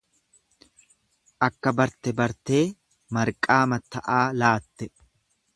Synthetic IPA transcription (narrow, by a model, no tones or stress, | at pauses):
ʔɐkːɐbɐɾt̪ɛbɐɾt̪e̞ː | mɐɾkʼːaːmɐt̪ːɐʔaːlaːt̪ːɛ